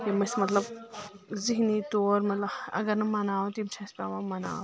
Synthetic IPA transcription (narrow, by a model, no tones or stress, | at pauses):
jimɐsmɐt̪lɐb | ziɦnit̪oːɾmɐt̪lɐɐ̰ɡɐɾnɐmɐnaːwot̪imt͡ʃʰaspʲaʋɐmɐna̰ːw